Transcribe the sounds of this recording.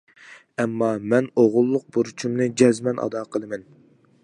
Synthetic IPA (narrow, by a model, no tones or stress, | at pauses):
ɛmːɑmɛnoʁʊlˠːʊq̚buɾt͡ʃʰumnɨd͡ʒɛzmɛnʔɑ̰d̪ɑqʰəlˠɨmɛn